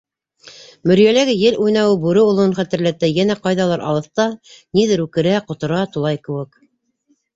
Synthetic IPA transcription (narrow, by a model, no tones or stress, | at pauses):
mɵ̆ɾjælæɡɘjɘlʔujnɑwɘbuɾɘŏlˠɤ̆ɴχæt̪ɘ̆ɾlæt̪æjænæqɑjðɑlˠɑɾʔɑ̰lˠɤ̆θt̪ɑniðɘɾʉkɘ̆ɾæqŏt̪ŏɾɑt̪ulˠɑjkɘ̆wɘk